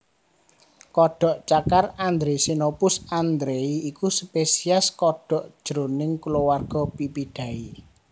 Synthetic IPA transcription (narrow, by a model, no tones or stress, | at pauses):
kɔɖ̥ɔ̤ʔt͡ʃakarand̪ɾesinopʊsand̪ɾeiikuspesiaskɔɖ̥ɔ̤ʔd̥ʒ̥ɾonɪŋkulowarɡ̥ɔ̤pipiɖ̥ä̤i